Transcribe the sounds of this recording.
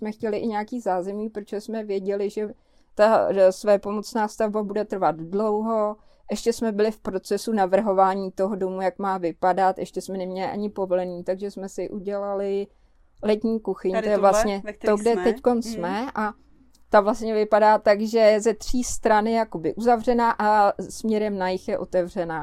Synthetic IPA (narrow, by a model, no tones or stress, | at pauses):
smɛxcɛlɪʔɪɲaakiːzaːzɛmɲiːpɾot͡ʃosmɛvjɛɟɛlɪʒɛ | t̪asvɛjɛpo̞mo̞t͡snaːfst̪avbabudɛt̪r̩vat̪dlo̞wɦo̞ | ʔɛʃcɛsmɛbɪlɪfpɾo̞t͡sɛsunavr̩ɦo̞vaːɲiːt̪o̞ɦodo̞mujakmaːvɪpadat̪ʔɛʃcɛsmɛnɛmɲɛlɪ̰ʔa̰ɲɪpovo̞lɛniːt̪aɡʒɛsmɛsɪʔuɟɛlalɪ | lɛt̪ɲiːkuxɪɲt̪ojɛvlast̪ɲɛoɡdɛt̪ɛcko̞nsmɛʔa | t̪avlast̪ɲɛvɪpadaːt̪aɡʒɛzɛt̪r̝̥iːst̪ɾanɪjakobɪʔuzavr̝ɛnaːʔasmɲɛɾɛmnajɪxjɛʔo̞t̪ɛvr̝ɛnaː